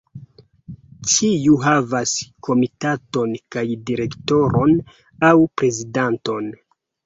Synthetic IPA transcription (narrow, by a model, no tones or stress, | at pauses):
t͡ʃiuɦavaskʰo̞mitato̞nkajdiɾe̞kto̞ɾo̞n | awpɾe̞zidanto̞n